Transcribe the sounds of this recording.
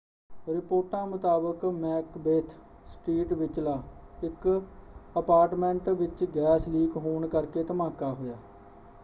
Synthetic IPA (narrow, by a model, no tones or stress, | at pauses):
ɾɪpoːʈãːmʊt̪aːbəkmɛːkbeːt̪ʰ | sʈiːʈʋɪt͡ʃlaː | ɪk | əpaːɾʈmɛ̃ɳʈʋɪt͡ʃɡɛːsliːɡɦoːɳkəɾkeːt̪əmaːkaːɦoːjaː